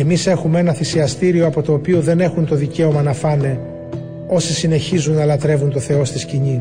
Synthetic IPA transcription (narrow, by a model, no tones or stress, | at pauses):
emise̞xumee̞nɐθisiɐst̪iɾioɐpo̞t̪o̞ːpioðe̞ne̞xunt̪o̞ðice̞o̞mɐnɐfɐne̞ | o̞sisine̞çizunːɐlɐt̪ɾe̞vunt̪o̞θe̞o̞st̪isciɲi